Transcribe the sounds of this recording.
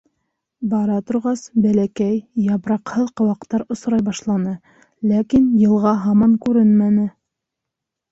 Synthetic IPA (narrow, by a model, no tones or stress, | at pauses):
bɑɾɑt̪ŏɾʁɑsbælækæjːɑβɾɑqhɤðqɤ̆wɑqt̪ɑɾŏsɾɑjbɑʃlˠɑnɤ | lækinjɤ̆lˠʁɑɦɑmɑŋkʉɾɘnmænɘ